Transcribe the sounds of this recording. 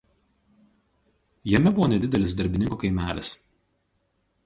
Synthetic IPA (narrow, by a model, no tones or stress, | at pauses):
jɛmʲɛbʊʋoːnʲɛd̪ʲɪd̪ʲɛlʲɪs̬d̪ɐɾʲbʲɪnʲɪŋkoːkɐɪmʲæːlʲɪs